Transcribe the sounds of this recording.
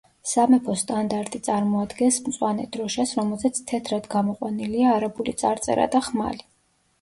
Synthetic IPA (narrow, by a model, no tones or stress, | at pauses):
samɛpʰɔst̪ʼand̪aɾt̪ʼit̪sʼaɾmɔad̪ɡɛnsmt̪sʼwanɛd̪̥ɾɔʃasɾɔmɛlˠzɛt̪sʰt̪ʰɛt̪ʰɾad̪ɡamɔqʼwaniliaːɾabulḭt̪sʼaɾt̪sʼɛ̰ɾa̰d̪aχma̰li